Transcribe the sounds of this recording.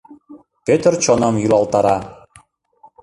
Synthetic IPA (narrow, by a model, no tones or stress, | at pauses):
pøt̪ərt͡ɕonɤmjyɾɑlˠt̪ɑɾɑ